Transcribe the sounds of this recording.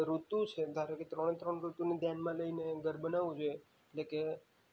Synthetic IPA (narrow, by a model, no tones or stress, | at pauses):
ɾut̪ũt͡ʃʰed̪ʱaɾoket̪ɾəɽ̃et̪ɾəɳɾut̪unid̪janmãləineɡəɾbənaʋũd͡ʒoje | eʈleke